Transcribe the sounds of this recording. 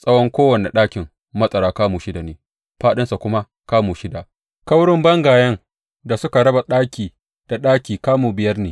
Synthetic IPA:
sʼɐ˦wɔ˦ŋkʷoː˦wɐ˨nḛ˨ɗaː˦kʲɪ˨ŋ | mːɐ˦sʼɐ˨ɾaː˨˦kaː˦muː˨ʃɪ˦da˨neː˨ | ɸaː˦ɗɪ˦nsa˨kʷʊ˦ma˦ | kaː˦muː˨ʃɪ˦da˨ | ka˦wɽɪ˦mbɐ˦ŋɡaː˨jɐ˦ŋ | da˨sʊ˦ka˨ɽɐ˦ba˨ɗaː˦kʲiː˨ | d̥a˨ɗaː˦kʲiː˨kaː˦muː˨bɪ˨jɐ˦rneː˨

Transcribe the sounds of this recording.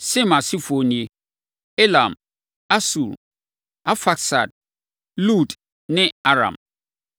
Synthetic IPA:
sɪ̃˦ma˨si˦fo˨nĩ˨e˦ | e˦la˨m | a˦su˨ɾ | a˦fa˦ksa˨d̚ | lu˦˨t | nɪ̃˦a˦ɾã̰˨m

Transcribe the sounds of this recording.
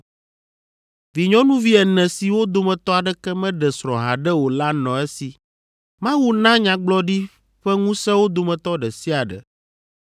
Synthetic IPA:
vi˨ɲɔ̃˦nũ˦vi˦ɛ˨nɛ̃˨si˨wo˦d̪o˨mɛ̃˨t̪ɔ˦a˨ɖɛ˦kɛ˦mɛ̃˦ɖɛ˨sɾɔ̰̃˨ɦa˨ɖɛ˦wo˨la˦nɔ̃˨ɛ˦si˨ | mã˦wu˦nã˦ɲã˨ɡ͡blɔ˦ɖi˦ | ɸɛ˦ŋũ˦sɛ̃˦wo˦d̪o˨mɛ̃˨t̪ɔ˦ɖɛ˨si˦a˨ɖɛ̰˨

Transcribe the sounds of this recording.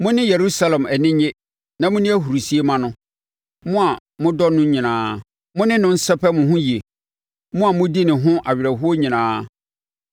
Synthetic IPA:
mʊ̃˦nɪ̃˦je˨ɾu˦sa˦lɛ̃˨mɛ˨nɪ̃˦ɲe˦ | nã˨mʊ̃˦nɪ̃˦æ˦ɦu˨ɾu˨si˨˦e˦mã˦nʊ̃˦ | mʊ̃˦a˨ | mʊ̃˦dɔ˦nʊ̃˦ɲĩ˨nãː˨˦ | mʊ̃˦nɪ̃˦nʊ̃˦n̩˦sɛ˦pɛ˦mʊ̃˨ɦʊ̃˦ji˨e˨ | mʊ̃˦a˨mʊ̃˦di˦nɪ̃˨ɦʊ̃˦ʔa˨ɥɾɛ˨ɦu˦o˦ɲĩ˨nãː˨˦

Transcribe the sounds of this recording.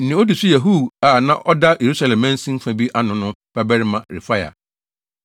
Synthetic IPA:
n̩˦nɪ̃˨˦ɔ˦di˨su˦jɛ˨ɦu˦˨a˨nã˦ʔɔ˦da˦jʔe˨ɾu˦sa˦lɛ̃˨mːɛ̃˦n̩˦sĩ˦m̩˦fã˦bi˦ʔa˦nʊ̃˨nʊ̃˦b̥a˦bɛ˦ɾɪ˦mã˨ɾɪ̰˨fa˦ja̰˨

